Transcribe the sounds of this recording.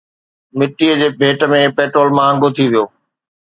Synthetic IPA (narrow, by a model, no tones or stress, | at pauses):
mɪʈːiəd͡ʑeːbʱeːʈəmẽpeːʈɾoːlmãːə̃ŋɡot̪ʰiʋijoː